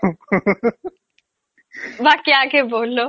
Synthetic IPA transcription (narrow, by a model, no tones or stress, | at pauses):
ʋakjaːkeboːlːo